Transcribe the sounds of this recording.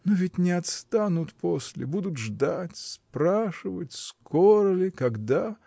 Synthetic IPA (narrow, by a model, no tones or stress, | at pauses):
novʲɪtʲnʲɪɐt̪st̪anʊt̪pʰosʲlʲɪ̰bud̪ʊt̪ʐd̪atʲspɾaʂɨvətʲskʰoɾəlʲɪkɐɡd̪a